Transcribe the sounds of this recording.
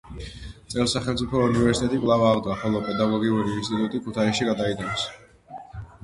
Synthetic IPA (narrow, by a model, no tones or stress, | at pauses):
t̪sʼɛlsaχɛlt̪sʼipʰɔunivɛɾsit̪ʼɛt̪ʼikʼlˠavaʁd̪waχɔlˠɔpʼɛd̪aɡɔɡiuɾiːnst̪ʼit̪ʼut̪ʼikʰut̪ʰaiʃiɡad̪aid̪ʼans